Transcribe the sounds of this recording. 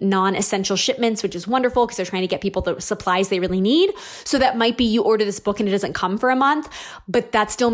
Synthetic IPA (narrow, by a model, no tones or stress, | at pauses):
nɑ̃nɨsɛ̃nʃl̩ˠʃɪp̚mɨ̃ntswɨt͡ʃɨzwʌ̃ndə˞fl̩ˠkʰʌz̥ðə˞tʰɹ̥aɪɪ̃ŋtɨɡɛt̚pipl̩ˠðəsəpʰl̥aɪzðeɪɹɪlˠinid̚ | soʊðɨt̚maɪt̚b̥ijɨʔɔɹɾə˞ðɪsb̥ʊkɨ̃nɨt̚d̥ʌzɨ̃nkʰʌ̃ɱfə˞ɨmʌ̃nθ | b̥ʌt̪̚ðætstɪlˠ